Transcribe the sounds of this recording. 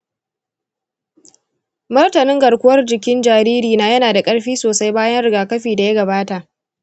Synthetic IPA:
mɐ˦rtɐ˨nɪ˦ŋɡɐ˨ɽkʷʊ˦wɐ˦rd͡ʒɪ˨kʲɪ˦nd͡ʒaː˨ɾiː˦ɾiː˨naː˨jɐ˦naː˨da˨kʼɐ˦ɽɸiː˦soː˨sa˦jbaː˦jɐ˦nɽɪ˨ɡaː˨kɐ˦ɸiː˨da˨ja˦ɡɐ˨baː˦ta˨ʔ

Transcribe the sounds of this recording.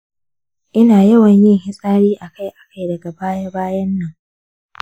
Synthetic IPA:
ʔɪ˦naː˨jɐ˦wɐ˨ɲjɪ˦ŋhɪ˦sʼaː˦ɽiː˦ʔa˨ka˦˨jʔa˨ka˦jdɐ˨ɡa˨baː˦ja˦baː˦jɐ˦nːɐ˨ŋ

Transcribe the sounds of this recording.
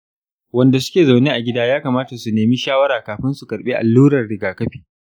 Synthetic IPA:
wɐ˦nda˨sʊ˦kʲeː˨za˨wneː˦ʔa˨ɡʲɪ˦daː˦jaː˦kaː˨maː˦ta˨su˨neː˨mi˦ʃaː˦wɐ˦ɾaː˨kaː˨ɸɪ˦nsu˨kɐ˨ɾɓeː˦ʔa̰˨lːuː˦ɾɐ˨rɽɪ˨ɡaː˨kɐ˦ɸiː˨

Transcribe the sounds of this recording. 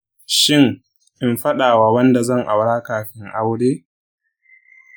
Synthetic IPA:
ʃɪ˦ŋ | ʔɪ˨mɸɐ˦ɗaː˨waː˨wɐ˦nda˨zɐ˦˨ŋʔa˨wɽaː˦kaː˨ɸɪ˦ŋʔa˦wɽeː˦

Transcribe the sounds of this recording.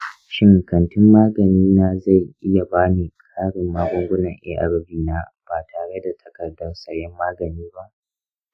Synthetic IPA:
ʃɪ˦ŋkɐ˨ntɪ˦mːaː˦ɡɐ˨niː˦naː˦za˦˨jʔɪ˦ja˨baː˦niː˨kʼʰaː˦ɽɪ˨mːaː˦ɡʷɔ˦ŋɡʷʊ˦nɐ˨ŋʔḛː˦ʔa̰˨ɽɐ˦biː˨naː˦b̥aː˨tʰaː˨ɽe˦da˨tʰɐ̥˨kɐ˨rdɐ˦rsɐ˨ɽjɛ˦mːaː˦ɡɐ˨niː˦ba˦ʔ

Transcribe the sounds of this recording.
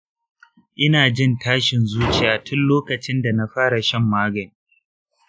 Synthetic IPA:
ʔɪ˦naː˨d͡ʒɪ˦ntaː˦ʃɪ˨nzuː˦t͡ʃi˨ja˨tʰʊ˦nloː˦kɐ˨t͡ʃɪ˦nda˨na˦ɸaː˦ɽa˨ʃɐ˦˨mːaː˦ɡɐ˨ni˨

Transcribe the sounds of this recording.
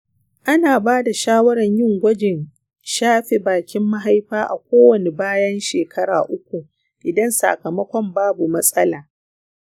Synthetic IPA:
ʔa˦naː˨baː˦da˨ʃaː˦wɐ˦ɾɐ˨ɲjɪ˦˨ŋɡʷɐ˦d͡ʒɪ˨n | ʃaː˦ɸe˨baː˨kʲɪ˦mːa˦ɦa˦jɸaː˦ʔa̰˨kʷoː˦wɐ˨ne˨baː˦jɐ˦nʃeː˨kʰɐ˦ɽa̰ː˨ʔʊ˦kʷu˨ | ʔɪ˨dɐ˦nsa̰˨kɐ˨mɐ˦kʷɔ˦mbaː˦bu˨mɐ˦sʼɐ˦laː˨

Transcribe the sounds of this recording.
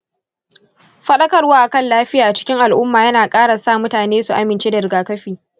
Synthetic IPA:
ɸɐ˦ɗɐ˦kɐ˨rwaː˦ʔa˨kɐ˦˨nlaː˦ɸɪ˦jaː˨ʔa˨t͡ʃɪ̥˦kʲɪ˦ŋʔa˨lʔʊ˦mːaː˨jɐ˦naː˨kʼaː˦ɽa˨saː˦˨mʊ˦taː˨neː˦su˨ʔa˦mɪ˨nt͡ʃe˦da˨ɾɪ˨ɡaː˨kɐ˦ɸiː˨

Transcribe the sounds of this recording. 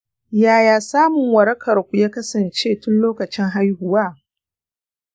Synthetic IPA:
jaː˦˨jaː˨saː˦mʊ˨ŋwɐ˨ɾɐ˦kʰɐ˨rkʷu˨jaː˦kɐ˦sɐ˨nt͡ʃeː˦tʊ˦nloː˦kɐ˨t͡ʃɪ˦ŋɦa˦jhʊ˨waː˦˨

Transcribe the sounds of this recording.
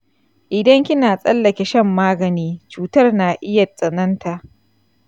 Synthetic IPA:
ʔɪ˨dɐ˦ŋkʲɪ˦naː˨sʼɐ˦lːɐ˨kʲe˨ʃɐ˦mːaː˦ɡɐ˨niː˦t͡ʃuː˨tɐ˦rnaː˨ʔɪ˦jɐ˨t͡sʼɐ˨nɐ˦nta˨ʔ

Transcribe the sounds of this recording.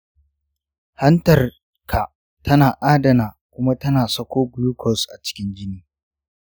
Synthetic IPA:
hɐ˦ntɐ˨r | kʰa˨ | tʰɐ˦naː˨ʔaː˦dɐ˨naː˨kʷʊ˦ma˦tɐ˦naː˨sɐ˦kʷoː˦bʊ˦luː˦kʰɔ˦˨sʔa̰˨t͡ʃɪ̥˦kʲɪ˦nd͡ʒʲɪ˦niː˦

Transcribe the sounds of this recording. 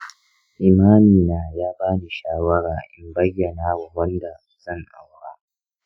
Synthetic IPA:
ʔi˨maː˦miː˨naː˨jaː˦baː˦ni˨ʃaː˦wɐ˦ɽaː˨ʔɪ˦mbɐ˦jːɐ˨naː˦wa˨wɐ˦nda˨su̥˨zɐ˦˨ŋʔa̰˨wɽaː˦

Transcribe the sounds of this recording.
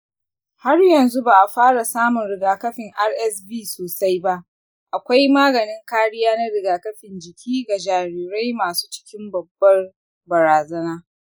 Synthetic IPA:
ha˦rjɐ˨nzu˦baː˨ʔa˨ɸaː˦ɽa˨saː˦mʊ˨nɾɪ˨ɡaː˨kɐ˦ɸɪ˨ŋʔa˦rʔɛ˦sbiː˦soː˨sa˦jba˦ʔ | ʔa˨kʷa˦jmaː˦ɡɐ˨nɪ˦ŋkaː˦ɽɪ˦jaː˦na˦ɽɪ˨ɡaː˨kɐ˦ɸɪ˨nd͡ʒɪ˨kʲiː˦ɡa˨d͡ʒaː˨ɾiː˨ɾa˦jmaː˨su̥ː˦t͡ʃɪ̥˦kʲɪ˦mbɐ˨bːɐ˦r | bɐ˨ɾaː˨zɐ˦naː˦

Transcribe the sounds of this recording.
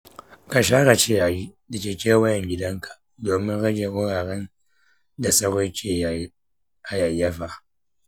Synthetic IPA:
ka˨ʃaː˦ɾa˨t͡ʃe˦ja˨ji˦da˨t͡ʃʲeː˨kʲeː˦wɐ˦jɛ˨ŋɡʲɪ˦dɐ˦ŋkʰa˨ | doː˨mɪ˦ŋɽɐ˦ɡe˨wʊ˦ɽaː˨ɾɛ˦n | da˨sɐ˦ɾo˦t͡ʃʲe˨ | a˨ja˨jːa˦ɸa˦˨

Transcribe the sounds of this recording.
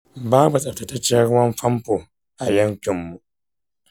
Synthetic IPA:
baː˦bu˨sʼɐ˨ptɐ˨tɐ˦t͡ʃːeː˦ɽʊ˦wɐ˦mɸɐ˦mɸoː˨ | ʔa˨jɐ˦ɲkʲɪ˨mːu˨ʔ

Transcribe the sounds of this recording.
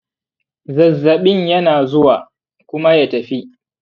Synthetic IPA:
zɐ˨zːɐ˨ɓɪ˦ɲjɐ˦naː˨zʊ˦waː˨ | kʷʊ˦ma˦ja˦tɐ˨ɸi˦ʔ

